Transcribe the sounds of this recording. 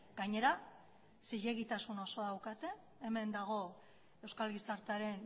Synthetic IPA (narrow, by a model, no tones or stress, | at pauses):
ɡaɲe̞ɾa | siʎe̞ɣit̪asuno̞so̞ðawkat̪e̞ː | me̞nd̪aɣ̞o̞ | e̞wskalɣisaɾt̪eaɾe̞n